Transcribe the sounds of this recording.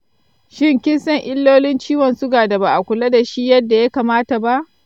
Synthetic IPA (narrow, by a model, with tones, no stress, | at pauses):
ʃɪ˦ŋkʲɪ˦nsɐ˦ŋʔɪ˦lːoː˦lɪ˦nt͡ʃiː˦wɐ˨nsʊ˦ɡaː˨da˨baː˨ʔa˨kʷʊ˨la˦da˨ʃi˦jɐ˦dːa˨ja˦kaː˨maː˦ta˨ba˦ʔ